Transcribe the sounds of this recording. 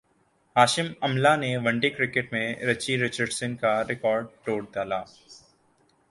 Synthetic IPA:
ɦaːʃɪmɐmlaneʋɐ̃ɳɖɪkɾɪkɪʈmẽɾɐt͡ʃiɾɪt͡ʃəɾɖsɪnkaɾɪkɔːɾɖ̚ʈoːɽd̪aːlaː

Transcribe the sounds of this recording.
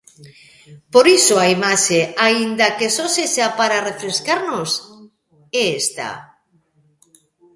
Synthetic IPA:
poɾisoaimaʃeaind̪akesoseʃapaɾarefɾeskaɾnos | eest̪a̰

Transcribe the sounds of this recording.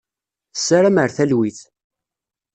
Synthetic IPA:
sːaɾæməɾθælwiθ

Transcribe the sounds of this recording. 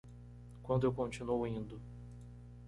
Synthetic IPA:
kwɐ̃nd̪ʊewkõnt͡ʃĩnuowĩnd̪ʊ

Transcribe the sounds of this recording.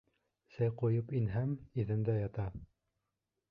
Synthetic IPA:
sæjqujɤpinɦæmiðɘ̆nd̪æjɑt̪ɑ

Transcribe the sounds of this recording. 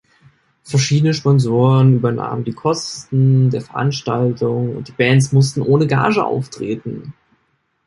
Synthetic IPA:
fɛɐʃiːdənəʃpɔnzoːʁənyːbɐna̰ːməndiːkʰɔstn̩deːɐfɛɐʔa̰nʃtaltʰʊŋʊ̰nt̚d̥iːbɛːntsmʊstn̩ʔoːnəɡa̰ːʒəʔa̰ʊftʁ̥eːtn̩

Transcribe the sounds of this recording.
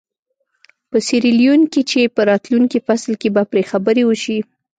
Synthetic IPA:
pəsiɾiljunkit͡ʃepəɾɑt̪luŋkifaslkebapɾexabəɾewəʃi

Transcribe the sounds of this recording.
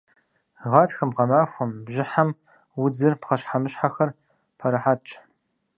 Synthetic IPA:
ʁɑtxɐmʁɐmaːxʷɔmbʒɪħam | wʊd͡zɨrpqɐɕħamɨɕħaxɐr | pʰɐɾɐħat͡ʃʼ

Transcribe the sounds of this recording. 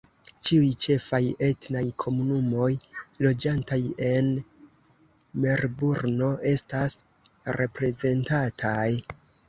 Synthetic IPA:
t͡ʃiujt͡ʃe̞faje̞tnajkʰo̞munumo̞jlo̞d͡ʒantaje̞n | me̞ɾbuɾno̞ʔe̞stas | ɾe̞pɾe̞ze̞ntatʰaj

